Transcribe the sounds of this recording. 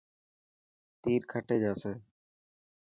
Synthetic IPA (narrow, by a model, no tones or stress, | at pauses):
t̪iːɾkʰəʈeːd͡ʒaːsẽː